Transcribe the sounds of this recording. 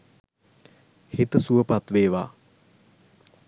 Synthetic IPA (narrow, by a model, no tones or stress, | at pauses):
hit̪əsuəpat̪ʋeːʋa̰ː